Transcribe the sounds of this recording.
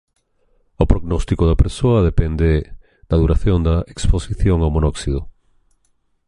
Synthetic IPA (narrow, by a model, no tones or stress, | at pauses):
opɾoɣnɔst̪ikoðɐpeɾsoɐðepend̪e | d̪̥ɐðuɾaθjõnd̪ɐeksposiθjoŋawmonɔksiðo